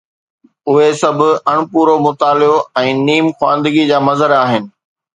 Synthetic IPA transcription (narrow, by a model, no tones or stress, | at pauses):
ʊɦesɐbʱʊ̆ɐɽ̃ʊpuːɾomʊt̪aːlɪoɛ̃ːniːmxwã̰ːnd̪əɡid͡ʑaːmɐzəɾaːɦɪnɪ̆